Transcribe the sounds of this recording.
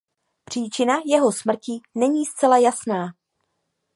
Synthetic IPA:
pr̝̥iːt͡ʃɪnajɛɦo̞smr̩cɪnɛɲiːst͡sɛlajasnaː

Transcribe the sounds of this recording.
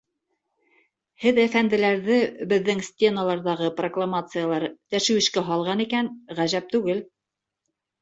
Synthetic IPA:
hɘðæfænd̪ɘ̆læɾðɘbɘ̆ðːɘŋsʲtʲe̞nalˠɑɾðɑʁɤproklˠamat̪sɨjalˠɑɾt̪æʃɘ̆wɘ̆ʃkæɦɑlˠʁɑnikænʁæʒæp̚t̪ʉɡɘl

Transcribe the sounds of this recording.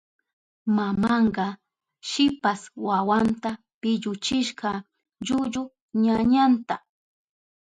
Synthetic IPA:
mamɑɴɢɑ | ʃɪpaswawant̪a | pɪʎʊt͡ʃɪʃɢɑ | ʎʊʎʊ | ɲaɲant̪a

